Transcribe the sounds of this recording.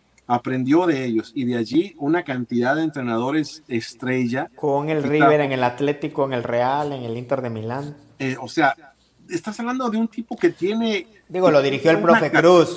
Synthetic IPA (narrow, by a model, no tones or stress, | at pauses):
apɾend̪jo̞ðe̞eʝosiðeaʝiunakant̪iðaðeːnt̪ɾenaðo̞ɾe̞sest̪ɾe̞ʝakoŋe̞lriβeɾeŋe̞lat̪le̞t̪ikoeŋe̞lrealeŋelint̪eɾðemilan | eose̞a | est̪asaβland̪o̞ðeunt̪ipo̞ket̪je̞ne | d̪iɣolo̞ðiɾixjoelpɾofekɾus